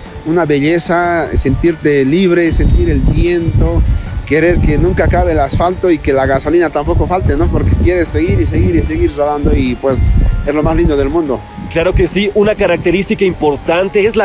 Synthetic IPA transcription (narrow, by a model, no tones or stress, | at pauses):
unaβe̞ʎesase̞nt̪iɾt̪e̞liβɾe̞se̞nt̪iɾe̞lbjent̪o̞ke̞ɾe̞ɾke̞nũŋkaːkaβelasfalt̪o̞ike̞laɣaso̞linat̪ampo̞ko̞falt̪e̞no̞po̞ɾkekje̞ɾe̞sːe̞ɣiɾis̬e̞ɣiɾis̬e̞ɣiɾzaðand̪o̞ipwesezlo̞mazlind̪o̞ðe̞lmũnd̪o̞ | klaɾo̞ke̞siʔunakaɾak̚t̪eɾist̪ikaimpo̞ɾt̪ant̪eezla